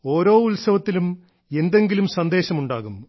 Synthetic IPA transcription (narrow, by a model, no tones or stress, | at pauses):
o̞ːɾo̞ːulsɐʋɐt̪ːilum | e̞nd̪e̞ŋɡilumsɐnd̪e̞ːɕɐmuɳɖaːɣum